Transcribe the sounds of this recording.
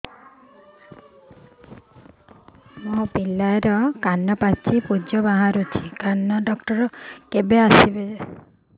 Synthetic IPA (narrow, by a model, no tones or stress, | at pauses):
mopilaeɾɔkanːɔpat͡ʃʰipud͡ʒɔbaɦaɾut͡ʃʰi̥kanːɔɖɔkʈɔɾɔkebeasibe